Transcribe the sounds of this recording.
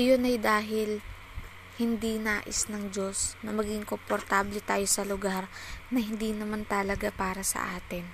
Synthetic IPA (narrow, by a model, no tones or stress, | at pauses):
ɐjonɐjd̪aːɦɪl | hɪnd̪inaːʔɪsnɐŋd͡ʒo̞snɐmɐɡɪŋkompoɾt̪aːblɛt̪aːjo̞sɐlʊɡaɾnɐhɪnd̪iːnɐmant̪ɐlɐɡapaːɾɐsɐ̰ʔaːt̪ɪn